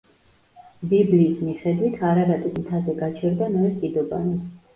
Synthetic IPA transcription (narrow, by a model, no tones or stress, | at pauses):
bibliːsmiχɛd̪wit̪ʰaɾaɾat̪ʼismt̪ʰazɛɡat͡ʃʰɛɾd̪anɔɛskʼid̪ɔba̰ni